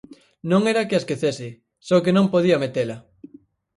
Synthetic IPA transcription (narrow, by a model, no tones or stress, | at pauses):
nõŋeɾakɪaskeθesɪ | sɔkenõmpoðiɐmet̪elɐ